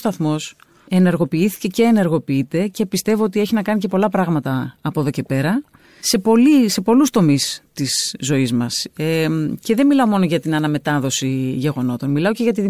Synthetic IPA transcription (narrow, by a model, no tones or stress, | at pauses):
st̪ɐθmo̞s | e̞ne̞ɾɣo̞piiθi̥ce̞ce̞ːne̞ɾɣo̞piit̪e̞ce̞pist̪e̞vo̞ot̪ie̞çinɐkɐnice̞po̞lɐpɾɐɣmɐt̪ɐːpo̞ðo̞ce̞pe̞ɾɐ | se̞po̞lise̞po̞lust̪o̞mist̪izːo̞izmɐsece̞ðe̞nmilɐomo̞noʝɐt̪inɐnɐme̞t̪ɐðo̞siʝe̞ɣo̞no̞t̪o̞nmilɐo̞ce̞ʝɐt̪ið